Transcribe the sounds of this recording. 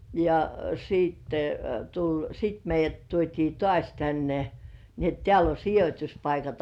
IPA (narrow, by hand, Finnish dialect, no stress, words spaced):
jɑ siˑtːe tulʲ sit meijˑæt tuotʲiː tŏɑˑsʲ tænːe ni et teæl o sijotʲuspɑikɑt